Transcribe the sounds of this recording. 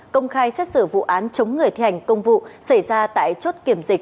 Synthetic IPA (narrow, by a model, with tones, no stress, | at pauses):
kə˧wŋ͡mxaː˧jsɛ˦˥t̚sɨ˧˩vṵ˧˨ʔaː˨˦nt͡ɕə˨˦wŋ͡mŋɨ˨˩əjt̪ʰi˧˩ha˨˩jŋ̟kə˧wŋ͡mvṵ˧˨sa˧˩jzaː˧t̪a̰ː˧˨jt͡ɕo˦˥t̚ki˧˩əmzï˨˩k̟̚